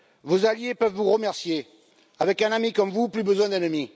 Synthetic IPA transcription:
vozaljepœvvuʁəmɛʁsje | avɛkɛ̃namikɔmvuplybəzwɛ̃d̪ɛnəmi

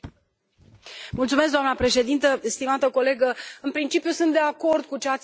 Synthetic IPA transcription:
mult̪sumes̬kd̪oamnəpɾe̞ʃe̞d̪int̪əst̪imat̪əko̞le̞ɡəɨnpɾint͡ʃipjusɨnt̪d̪e̞ako̞rd̪̚kut͡ʃeat̪sʲ

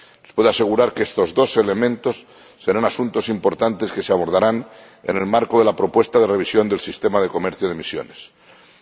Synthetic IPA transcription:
lespweðoase̞ɣ̞uɾaɾkest̪o̞zðo̞se̞le̞mẽnt̪o̞sː | e̞ɾanasunt̪o̞simpo̞ɾt̪ant̪e̞ske̞seaβ̞o̞ɾð̞aɾan | ḛne̞lmaɾkoðe̞lapɾo̞pwe̞st̪aðe̞re̞β̞isjo̞nd̪e̞lsist̪e̞mað̞eko̞meɾθjoðemisjo̞̰nes

